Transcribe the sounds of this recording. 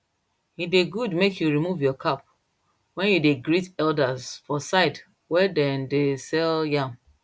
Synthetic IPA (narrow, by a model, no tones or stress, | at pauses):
hideɡudmekjuɹimuvjɔkʰap̚ | wɛ̃njudeɡɹitɛldazfɔsaɪt | wɛdɛ̃ndesɛljãm